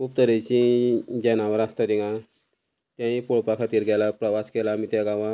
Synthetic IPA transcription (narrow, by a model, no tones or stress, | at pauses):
kup̚t̪əɾet͡ɕĩd͡ʑɛnaʋəɾast̪ad̪iŋɡã | t̪jãipoɭpakʰat̪iːɾɡɛlapɾəʋaskelamit̪ɛɡaʋã